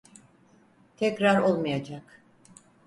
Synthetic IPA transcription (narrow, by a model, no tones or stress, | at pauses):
t̪ʰɛcɾaɾo̞lˠmajad͡ʒak